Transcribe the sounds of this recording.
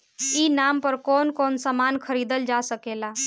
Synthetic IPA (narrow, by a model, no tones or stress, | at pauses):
inampəɾkonkonsəmankʰəɾid̪əld͡ʒasəkela